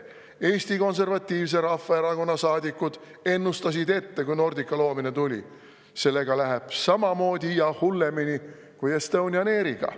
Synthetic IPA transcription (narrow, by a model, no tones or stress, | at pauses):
e̞ːsʲt̪iko̞ns̬e̞rvɑt̪ʲːˑiːvs̬e̞ɾɑfːɑeɾɑko̞nːɑsɑːd̪ʲikːˑud̪̥ | e̞nːust̪ɑs̬id̪e̞t̪ːe̞kujno̞rd̪ikːˑɑlo̞ːminet̪ulʲḭ | se̞lːe̞ɡ̥ɑlæɦeb̥sɑmɑmo̞ːd̪ʲiijɑhulːe̞mini | kujest̪ɤwnʲiɑne̞ːɾiɡ̥ɑ̰